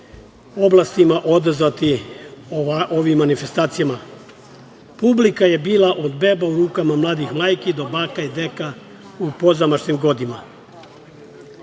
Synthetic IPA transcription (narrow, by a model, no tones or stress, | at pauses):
o̞blˠast̪imaʔo̞d̪zʋat̪i | ʔoʋimːanife̞st̪aːt̪sijama | publikaje̞biːlaʔo̞d̪be̞bauɾuːkamamlˠaːd̪ixmaːjkid̪o̞baːkaid̪eka | upo̞zamaʃnimɡo̞d̪ima